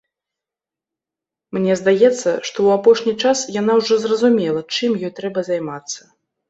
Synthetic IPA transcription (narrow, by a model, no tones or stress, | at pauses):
mnʲɛzd̪ajɛt̪sːɐ̰ʂt̪ɔwapɔʂnʲit͡ʂasjanawʐɔzrɐzumʲɛlˠɐt͡ʂɨmjɔjt̪ɾɛbɐzajmat̪sːɐ̥